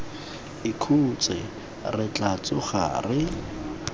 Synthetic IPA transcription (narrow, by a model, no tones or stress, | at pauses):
ɪkʰut͡sʼɛ | rɪt͡ɬat͡sʼʊχa̰ːrɪ